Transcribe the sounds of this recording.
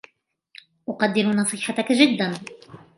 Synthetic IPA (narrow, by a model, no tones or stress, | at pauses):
ʔʊqɑd̪ːɪɾnɑsˤɨːħat̪akaʒɪd̪ːan